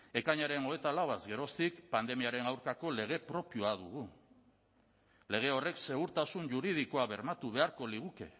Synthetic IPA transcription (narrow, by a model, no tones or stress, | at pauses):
e̞kaɲaɾe̞no̞e̞t̪alawazɡe̞ɾo̞st̪ikpand̪e̞miaɾe̞nawɾkako̞le̞ɣ̞e̞pɾo̞pioaðuɣu | le̞ɣ̞e̞o̞re̞kse̞ɣuɾt̪asuɲʝuɾið̞iko̞aβe̞ɾmat̪uβe̞aɾko̞liɣ̞uke̞̰